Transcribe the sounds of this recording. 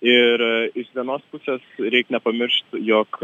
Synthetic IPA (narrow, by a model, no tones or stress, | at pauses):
ɪɾɪʃʋʲiɛnoːspʊsʲeːsɾʲɛɪknʲɛpɐmʲɪɾʃt̪joːk